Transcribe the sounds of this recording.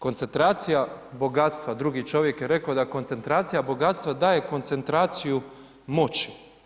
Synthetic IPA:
ko̞nt̪se̞nt̪ɾaːt̪sijabo̞ɡaːt̪st̪ʋad̪ɾuɡit͡ʃo̞ʋje̞kjeɾe̞kaod̪akont̪e̞nt̪ɾaːt̪sijabo̞ɡaːt̪st̪ʋad̪aːje̞ko̞nt̪se̞nt̪ɾaːt̪siju | mo̞t͡ɕi̥

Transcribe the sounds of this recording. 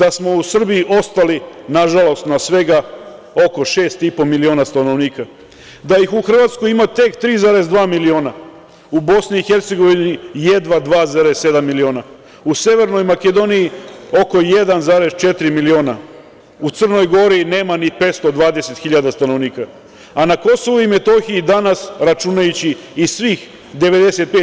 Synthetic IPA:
d̪asmo̞usr̩biiʔo̞st̪alinaʒalˠo̞st̪nasʋe̞ɡa | o̞ko̞ʃe̞ːst̪ipo̞milio̞nast̪ano̞ʋniːka | d̪ajixuxr̩ʋaːt̪skojimat̪e̞kt̪ɾiːzaːɾe̞zd̪ʋaːmilio̞ːna | ubo̞sniːxe̞ɾt̪se̞ɡo̞ʋinije̞d̪ʋad̪ʋaːzaːɾesse̞d̪amːilio̞ːna | usje̞ʋe̞ɾno̞jmake̞d̪o̞niio̞ko̞je̞d̪anzaɾe̞st͡ʃe̞t̪ɾimilio̞ːna̰ | ut̪ər̩no̞jɡo̞ɾine̞ːmanipe̞ːt̪st̪o̞d̪ʋaːd̪e̞se̞t̪xiʎad̪ast̪anoʋniːka | anako̞so̞ʋuime̞t̪o̞xiid̪anasɾat͡ʃunajut͡ɕiisʋiːx | d̪e̞ʋe̞d̪ese̞t̪̚peː

